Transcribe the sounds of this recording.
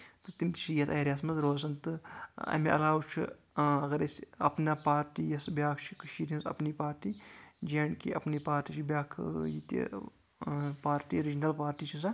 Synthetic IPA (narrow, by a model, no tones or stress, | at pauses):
t̪ɨt̪imt̪i̥t͡ʃʰijɐt̪ɐːɾʲjaːsmɐzɾoːz̬ɐnt̪ɨɐ̰meʔɐ̰laːwt͡ʃʰi | ɐɣɐɾesɐ̰pnaːpaːɾʈiːjɐsbjaːkʰt͡ʃʰi̥kɐʃiːɾʲɐnsɐ̰pniːpaːɾʈiːd͡ʒeːɳkiʔɐ̰pniːpaːɾʈiːt͡ʃʰibjaːkʰjit̪ḭ | paːɾʈiːɾid͡ʒnɐlpaːɾʈiːt͡ʃʰisɐ